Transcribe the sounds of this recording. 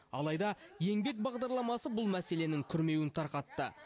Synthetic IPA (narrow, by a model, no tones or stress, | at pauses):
ɑ̰lˠɑjd̪ɑje̞ŋbe̞k̚bɑʁd̪ɑɾlˠɑmɑsəbʊlˠmæse̞le̞nɪŋkʲʰʏɾme̞wɪnt̪ʰɑɾqɑt̪ːə